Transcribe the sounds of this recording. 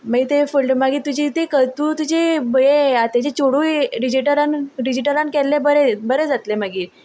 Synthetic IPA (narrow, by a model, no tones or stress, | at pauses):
maɡit̪efulɖmaɡiːt̪ud͡ʑit̪ekət̪uːt̪ud͡ʑebəɭeat̪ad͡ʑet͡ɕoɽuɖid͡ʑiʈəɾanɖid͡ʑiʈəɾankɛlːebəɾebəɾed͡zat̪lemaɡiː